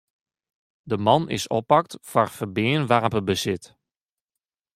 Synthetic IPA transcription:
dəmɑnɪ̰sɔpːɑk̚tfɔrfərbɪːənʋarpəbəsɪt

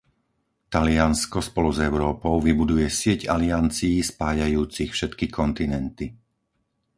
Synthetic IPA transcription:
t̪alɪanskɔspɔluzɛʊɾɔːpɔʊʋibud̪ujɛsɪɛɟaliant͡siːspaːjajuːt͡sixfʃɛt̪kikʰɔnt̪inɛnt̪i

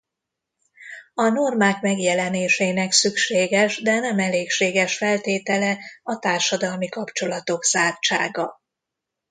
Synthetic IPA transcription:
ɒno̞rmaːkmɛɡjɛlɛneːʃeːnɛksykʃeːɡɛʒd̪ɛnɛmɛleːkʃeːɡɛʃfɛlt̪eːt̪ɛlɛɒt̪aːrʃɒd̪ɒlmikɒpt͡ʃo̞lɒt̪o̞ɡzaːrt͡ʃaːɡɒ

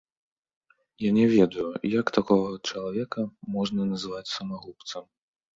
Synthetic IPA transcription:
janʲɛvʲɛd̪ɐjujɐkt̪akɔɣɐt͡ʂɐlˠavʲɛkɐmɔʐnɐnɐzɨvat͡sʲsɐmaɣˠupt̪sɐm

